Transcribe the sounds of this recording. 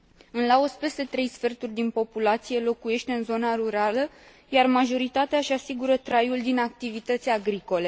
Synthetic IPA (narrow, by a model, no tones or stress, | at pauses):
ɨnlaospest̪et̪ɾe̞jsfe̞rt̪urʲd̪inpo̞pulat̪sije̞lo̞kuje̞ʃt̪e̞ɨnzo̞naɾuɾalə | jarmaʒo̞ɾit̪at̪eaʃasiɡuɾət̪ɾajuld̪inak̚t̪ivit̪ət̪sʲaɡɾiko̞le̞